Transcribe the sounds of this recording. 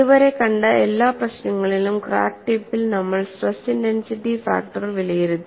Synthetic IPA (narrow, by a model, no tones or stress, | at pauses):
uʋɐɾe̞kɐɳɖɨelːaːprɐɕnɐŋːɐɭilumkra̰ːk̚ʈipːilnɐmːɐɭswɐsindensiʈːifa̰ːk̚ʈɐrʋilɐjiɾunːu